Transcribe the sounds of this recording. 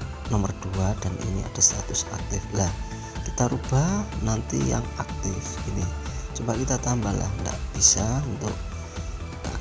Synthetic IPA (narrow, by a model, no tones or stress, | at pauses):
nɔmərd̥uad̥anḭnia̰d̥asa̰t̪ʊsak̚t̪ɪflah | kit̪aɾub̥anant̪ḭja̰ŋak̚t̪ɪfɡinit͡ʃubaʔkit̪at̪ambala̰hŋɡa̰ʔb̥isaunt̪ʊ̰k̚